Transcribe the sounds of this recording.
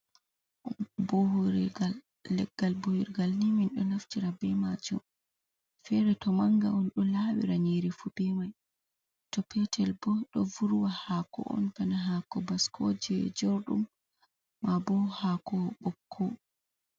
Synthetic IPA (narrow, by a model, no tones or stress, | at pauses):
boɦɾaː | ɛɡːalbohiɾɡalniminɗɔ̰naftiɾabɛmad͡ʒṵm | fɛɾɛtɔmaŋɡaɔnɗɔlaːwḭɾaɲiɾifubɛmaj | tɔpɛtʰɛlbɔɗɔvuɾuwahakɔ̰ʔɔ̰nfanaɦaːkɔbaskʰɔd͡ʒɛd͡ʒɔɾɗumː | abɔhakɔɓɔkʰːɔ